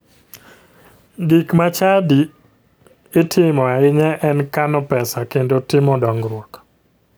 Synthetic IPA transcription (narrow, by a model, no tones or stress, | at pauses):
ɡikmat͡ʃadi | etʰɪmɔaɪɲɛʔɛnkanɔpɛsakendotɪmɔdɔŋɡɾwɔk